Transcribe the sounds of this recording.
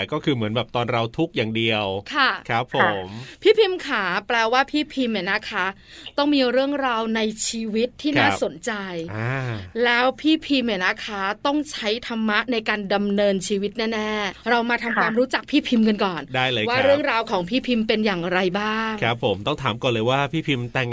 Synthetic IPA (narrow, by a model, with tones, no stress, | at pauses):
kɔː˥˩kʰɯː˧mɯ˩˦ənbɛː˨˩p̚t̪ɔː˧nɾa˧wt̪ʰu˦˥k̚jaː˨˩ŋdi˧əwkʰa˥˩kʰɾa˦˥pʰːo˩˨˩mpʰiː˥˩pʰi˧mkʰaː˩˦pɾɛː˧waː˥˩pʰiː˥˩pʰi˧mːa˨˩na˦˥kʰa˦˥ | t̪ɔ˥˩ŋmiː˧ɾɯ˥˩əŋɾaː˧wna˧jt͡ɕʰiː˧wi˦˥t̪ʰːiː˥˩naː˥˦˩so˩˦nt͡ɕa˧ja˧˩lɛː˦˥wpʰiː˥˩pʰi˧mjia˨˩na˦˥kʰa˦˥t̪ɔ˥˩ŋt͡ɕʰa˦˥jt̪ʰa˧mːa˦˥ʔna˧jkaː˧nda˧mnɤː˧nt͡ɕʰiː˧wi˦˥t̪̚nɛː˥˩nɛː˥˩ɾa˧wmaː˧t̪ʰa˧mkʰwaː˧mɾuː˦˥t͡ɕa˨˩k̚pʰiː˥˩pʰi˧mka˧nkɔː˨˩ndaː˥˩jlaː˧waː˥˧˥ɾɯ˥˩əŋɾaː˧wkʰɔː˩˦ŋpʰiː˥˩pʰi˧mpe˧njaː˨˩ŋɾa˧jbaː˥˩ŋkʰɾa˦˥pʰːo˨˩˦mt̪ɔ˥˩ŋt̪ʰaː˩˦mkɔː˨˩lɤː˧jwaː˥˩pʰiː˥˩pʰi˧mt̪ɛ˨˩ŋ